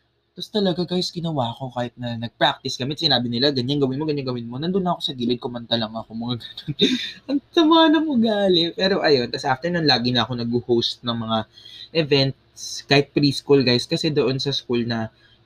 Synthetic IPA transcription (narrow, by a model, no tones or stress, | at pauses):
p̪ɐst̪ɐlɐɡaɡajsɡɪnɐwaːko̞kaːhɪt̪̚nɐnɐɡ̚pɹak̚t̪ɪsɡ̥ɐmɛt̪sɪnaːbɪnɪlaɡɐɲanɡɐwɪnmo̞ɡɐɲaŋɡɐwɪnmo̞nɐnd̪ʊnːɐʔɐkosɐɡiːlɪd̪̚komɐnt̪ɐlɐŋɐkomɐŋaɡɐnonʔɐŋt̪ɐmaːnɐmoɡaːlɛpɛːɾo̞ʔɐjo̞nt̪ɐsʔaft̪ɛɹnɐnlaːɡɪnɐʔɐko̞nɐɡʊhowst̪̚nɐŋmɐŋaʔɛvɛnt̪̚ | skaːhɪt̪̚pɾiːskulɡajskɐsɛd̪o̞ʔo̞nsɐskulnɐ